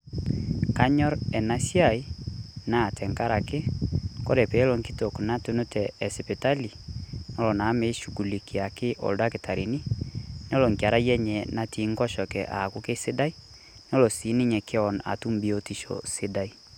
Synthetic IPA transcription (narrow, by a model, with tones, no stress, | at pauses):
ka˦ɲɔ˦ɾɛ˨na˦sja˦˨i˦na˦˨tʰɛ˨ŋka˦ɾa˨kɪ˦kɔ˦ɾɛ˨pɛ˨˦lɔ˨ŋki˦to˨kna˦to˦no˦tʰɛ˨ɛ˨sɛ˨pe˨ta˦li˨nɔ˦lɔ˨na˨˦me˨˦ʃu˨ɡu˨li˨kʰe˨a˨kɪ˦ʔɔ̰˨lda˦kɪ˨ta˨ɾi˨ni˦n˦ɔ˦lɔ˨ŋkja˨ɾa˦jɛ˦ɲɛ˨na˦ti˨˦ŋkɔ˦ʃɔ˨kɛ˨ʔa˨kʊ˦ke˦sɪ˦da˦i˦ | n˦ɔ˦lɔ˨si˨˦ni˦ɲɛ˨ke˦ɔ˨na̰˨tu˦mbi˨o˦ti˦ʃɔ̰˨sɪ˦da˦i˦